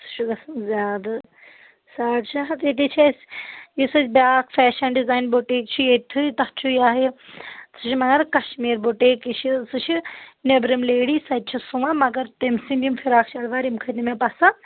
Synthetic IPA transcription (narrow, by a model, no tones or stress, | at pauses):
sɨ̥ʃʰuɡɐszʲjaːd̪ɐ | saːʈt͡ʃʰaɦɐt̪et̪̬it͡ʃʰesʲjisɨt͡ʃʰbʲjaːkʰfɛːʃɐnɖizaːjnboʈeːk̚t͡ʃʰiet̪ʰɨt̪ɐt͡ʃʰujaːɦisɨt͡ʃʰimɐɡɐɾkɐʃmiːɾboʈeːkit͡ʃʰisɨt͡ʃʰinebɾimleːɽiːsɐt̪̚t͡ʃʰisuʋamɐɡɐɾt̪emsind̪imfʰiɾaːkt͡ʃʰɐɽʋaːɾimkʰɐnimepɐsa